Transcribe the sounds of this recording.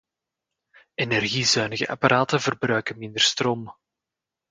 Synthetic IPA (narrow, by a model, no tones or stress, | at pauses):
enɛrɣizœɥnəɣə̰ʔa̰paɾʔaːtənvərbrœɥkənmɪnd̪ərstroːm